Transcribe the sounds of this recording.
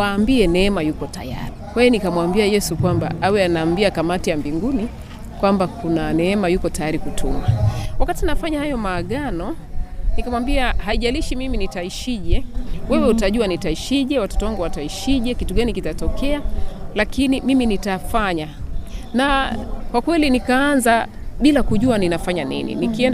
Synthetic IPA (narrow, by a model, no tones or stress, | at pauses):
waːmbiɛnɛɛmajukɔta̰ja̰ɾikwainikamwambiajɛsukwamba̰awɛanaːmbiakamatijambiŋɡuni | kwambakunanɛɛmajukɔtajaɾikutʰumawakatinafaɲahajɔmaːɠanɔ | nikamwambiahaiʄaliʃimiminitaiʃiʄɛwɛwɛutaʄuanitaiʃiʄɛwatɔ̥tɔwaŋɡuwataiʃiʄɛkituɠanikitatɔkɛalakinimiminitafaɲa | nakwakwɛlinikaːnza | ɓilakuʄuaninafaɲanḭnḭnikiɛn